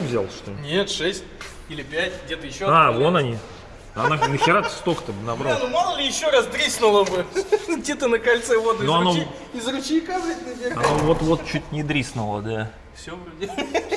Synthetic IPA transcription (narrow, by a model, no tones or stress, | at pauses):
vzʲalˠʂt̪onʲet̪ʂɛsʲt̚ʲ | ilʲɪpʲætʲɡ̚dʲet̪əjɪɕːoavonɐnʲi | ananəxʲɪɾat̪st̪okə̥t̪əbɨnɐbɾalˠnomalˠəlʲɪjɪɕːoɾasd̪ɾʲisnʊlˠəbɨɡ̚dʲe̞t̪ənəkalʲt̪sɛvo̞d̪ɨnoɐno | ɪzrʊt͡ɕikazɾʲɪtʲnəvʲɪrɐnovo̞t̪vo̞t̪̚t͡ɕut̚ʲnʲɪd̪ɾʲisnʊlˠə̰d̪a | fsʲovɾʲudʲe